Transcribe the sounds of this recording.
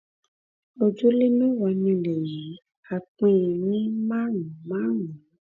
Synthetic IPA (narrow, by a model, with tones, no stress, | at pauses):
o˨d͡ʒu˦le˦mẽ˦wɔ˨˧nĩ˧le˨ji˨˦ | a˨k͡pẽ˦˧˦i˨nĩ˦mã˦ŋũ˨mã˦nũ˨